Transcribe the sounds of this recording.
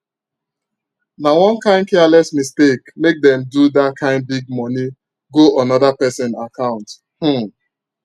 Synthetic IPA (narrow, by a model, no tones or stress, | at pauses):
nawɔ̃nkãɪ̃nkɛalɛsmistekmek̚dɛ̃mdudat̚kʰãɪ̃nd̚biɡ̚mɔni | ɡoʔɔnɔdapɛsɔ̃nakãʊ̃nt | h̩